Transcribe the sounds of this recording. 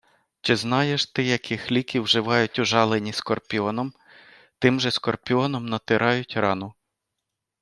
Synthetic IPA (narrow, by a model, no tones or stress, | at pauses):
t͡ʃɪznɑjeʃt̪ɪjɐkɪxlʲikʲiwʒɪʋɑjʊtʲʊʒɑlˠenʲiskɔrpʲiɔnɔm | t̪ɪmʒɛskɔrpʲiɔnɔmnɐt̪ɪɾʔɑjʊtʲrɑnʊ